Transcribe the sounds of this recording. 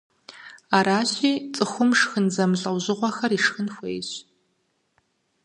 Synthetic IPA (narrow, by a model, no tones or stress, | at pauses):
aːɾaːɕiːt͡sʼɨxʷʊmʂxɨnzɐmɮʼɐwʑɪʁʷɔxɐriːʂxɨnxʷḛjɕ